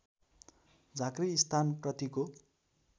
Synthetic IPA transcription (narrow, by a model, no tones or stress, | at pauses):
d͡zakriːst̪ʰanprʌt̪iko